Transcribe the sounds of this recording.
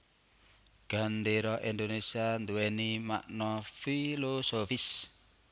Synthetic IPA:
ɡ̥a̤nɖeɾɔʔind̪onesiand̪uwɛnima̰ʔnɔfilosofis

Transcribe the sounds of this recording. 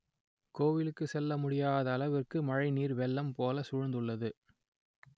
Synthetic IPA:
koːʋɪlɯkːɯsɛlːɐmʊɽɪjaːðɐːlɐʋɪrkɯmɐɻɐɪniːɾʋɛlːɐmpoːlɐsʊɻʊnd̪ɯɭːɐðɯ

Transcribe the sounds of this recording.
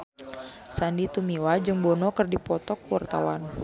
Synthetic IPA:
sandit̪umiwad͡ʒɨŋbɔnɔkɨrdipɔt̪ɔkuwart̪a̰wan

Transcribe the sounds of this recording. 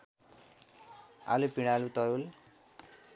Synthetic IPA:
a̰lupiɽ̃alut̪ʌɾul

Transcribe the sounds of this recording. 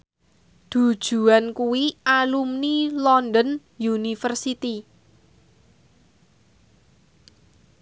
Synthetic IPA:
d̪̥ṳd̥ʒ̥ṳankuwiʔalumnilɔnd̪ən | junifərsit̪i

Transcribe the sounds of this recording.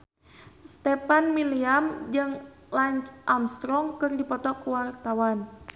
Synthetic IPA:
st̪ɛpanmiliamd͡ʒɨŋ | laɲt͡ʃʔamst̪ɾɔŋkɨrdipɔt̪ɔkuwart̪awan

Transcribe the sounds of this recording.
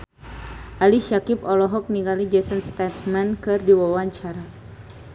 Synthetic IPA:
ʔaliʃakipɔlɔɦɔk̚niɡalid͡ʒɛsənst̪ɛt̪̚mankɨrdiwawaɲt͡ʃaɾa

